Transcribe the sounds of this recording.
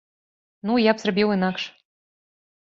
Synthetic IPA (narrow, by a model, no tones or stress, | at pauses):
nujapsrbʲiwenɑkʃ